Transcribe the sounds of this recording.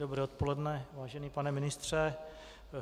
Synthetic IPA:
obɾɛːot̪polɛdnɛvaːʒɛniːpanɛmɪnɪst̪r̝̥ɛ

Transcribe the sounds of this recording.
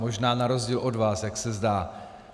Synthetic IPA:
mo̞ʒnaːnaɾo̞zɟiːlʔo̞dvaːsjaksɛzdaː

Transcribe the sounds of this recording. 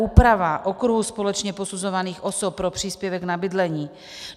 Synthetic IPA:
uːpɾavaʔokɾuɦuspolɛt͡ʃɲɛposuzovaniːxʔosop̚ːɾopr̝̥iːspjɛvɛɡnabɪdlɛɲiː

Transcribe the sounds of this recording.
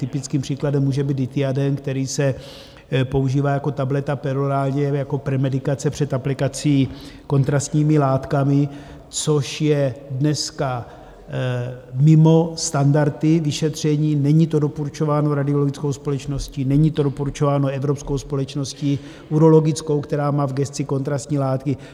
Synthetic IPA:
t̪ɪpɪt͡skiːmpr̝̥iːkladɛmːuːʒɛbiːd̪dɪt̪ɪadɛnkt̪ɛɾiːsɛ | po̞uʒiːvaːjako̞t̪ablɛt̪apɛɾoɾaːlɲɛjako̞pɾɛmɛdɪkat͡sɛpr̝̥ɛt̪aplɪkat͡siːko̞nt̪ɾast̪ɲiːmɪlaːt̪kamɪ | t͡so̞ʃjɛdnɛska | mɪmo̞st̪andaɾt̪ɪvɪʃɛt̪r̝̥ɛɲiːnɛɲit̪o̞dopoɾut͡ʃo̞vaːnoɾadɪo̞loɡɪt͡skowspo̞lɛt͡ʃno̞scinɛɲiːt̪o̞dopoɾut͡ʃovaːno̞ɛvɾopsko̞wspo̞lɛt͡ʃno̞sci | uɾo̞lo̞ɡɪt͡sko̞wkt̪ɛɾaːmaːvɡɛst̪t͡sɪko̞nt̪ɾast̪ɲiːlaːt̪kɪ

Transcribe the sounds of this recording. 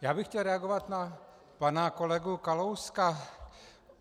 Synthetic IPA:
jaːbɪxcɛlɾɛaɡovat̪na | panakolɛɡukalowska

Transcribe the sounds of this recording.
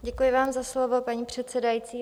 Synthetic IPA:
ɟɛkujɪvaːmzaslovo̞paɲiːpr̝̥ɛt̪sɛdajit͡siː

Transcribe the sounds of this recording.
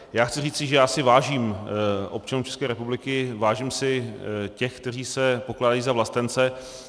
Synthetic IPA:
jaːxt͡sɪriːt͡sɪʒɛjaːsɪvaːʒiːmʔo̞p̚t͡ʃanumt͡ʃʰɛ̥skɛːɾɛpublɪkɪvaːʒiːmsɪcɛxk̚t̪ɛr̝iːsɛpo̞klaːdajiːzavlast̪ɛnt͡sɛ

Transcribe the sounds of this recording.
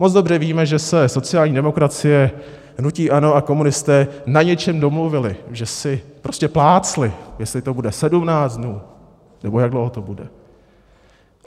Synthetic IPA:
mod͡zdo̞brɛviːmɛʒɛsɛso̞t͡sɪjaːlɲiːdɛmo̞kɾat͡sɪjɛ | nuciːʔano̞ako̞munɪst̪ɛːnaɲɛt͡ʃɛmdo̞mluvɪlɪʒɛsɪpɾo̞scɛplaːt͡slɪjɛslɪt̪o̞budɛsɛdumnaːd͡zdnuː | nɛbo̞jaɡdlowɦot̪o̞budɛ̰

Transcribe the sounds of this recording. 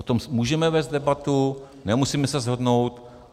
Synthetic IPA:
ot̪ommuːʒɛmɛvɛːzd̪dɛbat̪u | nɛmusiːmɛsɛzɦodnowt̪

